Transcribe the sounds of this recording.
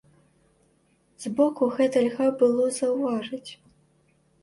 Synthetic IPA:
z̥bɔkuɣɛt̪ɐlʲɣabɨlˠɔzɐwvaʐɐt͡sʲ

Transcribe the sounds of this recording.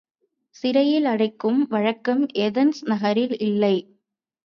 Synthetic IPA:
sɪɾɐjɪlɐɽɐɪkːɯmʋɐɻɐkːɐmɛðɐnsnɐɣɐɾɪlɪlːɐɪ

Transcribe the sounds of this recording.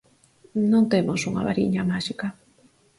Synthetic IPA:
nõnt̪emosuŋa̰βaɾḭɲamaʃika

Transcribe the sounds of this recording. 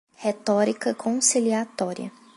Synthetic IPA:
het̪ɔɾikɐkʰõsiliat̪ɔɾḭɐ̰

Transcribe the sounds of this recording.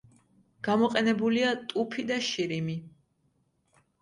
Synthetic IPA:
ɡ̥amɔqʼɛnɛbuliat̪ʼupʰid̪aʃiɾimi

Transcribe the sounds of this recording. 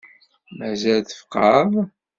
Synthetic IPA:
mæzælθə̥fqʰːɑðˤ

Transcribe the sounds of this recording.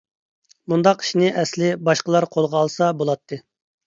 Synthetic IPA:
mund̪ɑqi̥ʃnɪʔɛslɪbɑʃqəlˠɑɾqʰolˠʁɑːlˠsɑbolˠɑt̪ʰːɨ

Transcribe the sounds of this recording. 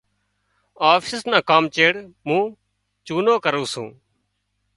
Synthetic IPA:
aːfsɪsnãːkaːmt͡ʃeːɽmũː | t͡ʃuːnoːkəɾũːsṵ̃ː

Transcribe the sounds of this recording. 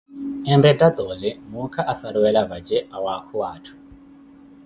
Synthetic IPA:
ɛndɛtʼat̪ʼɔlɛmukʰaʔasaɾuwɛlaβad͡ʒɛʔawakʰuwaːtʰu̥

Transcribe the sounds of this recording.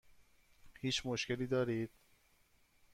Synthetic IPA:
hiːt͡ʃmoʃkeliːd̪ɒːɾiːd̪̥

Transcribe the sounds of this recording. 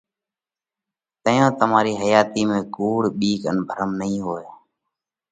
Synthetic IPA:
t̪əjõːt̪əmaːɾiːɦəjaːt̪iːmẽːkuːɽɓiːkə̰nbʱəɾəmnəĩːɦoːjaː

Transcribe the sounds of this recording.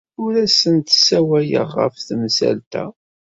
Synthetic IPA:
ʊɾæsənt̪sæwæjə̰ʁːə̰fθmsæ̰lt̪æ̰

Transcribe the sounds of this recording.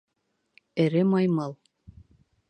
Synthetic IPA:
ɘ̆ɾɘmɑjmɑlˠ

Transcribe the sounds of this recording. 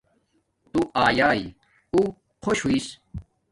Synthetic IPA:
t̪uaːjaːi | u | kʰoɕɦuis

